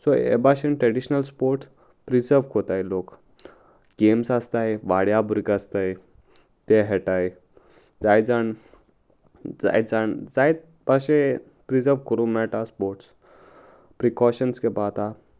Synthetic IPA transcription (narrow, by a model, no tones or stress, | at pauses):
sɔḛbaɕenʈɾɛɖiɕnəlspoɾʈs | pɾid͡zəɾʋkot̪ajlok | ɡemsast̪ajʋaɽjabʱuɾkast̪aj | t̪eɦɛʈaj | d͡zajd͡zaɳ | d͡za̰jd͡zaɳd͡zajt̪̚ | baɕẽ | pɾid͡zəɾʋkəɾũmɛʈaspoɾʈs | pɾikɔɕənskɛpat̪a